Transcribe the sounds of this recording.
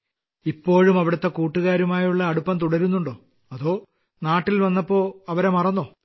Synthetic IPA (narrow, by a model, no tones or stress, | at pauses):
ipːo̞ːɻumɐʋiɽɐt̪ːe̞kuːʈːuɣaːɾumaːjuɭːɐːɽupːɐmt̪uɽɐɾunːuɳɖoː | ɐðo̞ː | naːʈːilʋɐnːɐpːo̞ːɐʋɐɾemɐrɐnːoː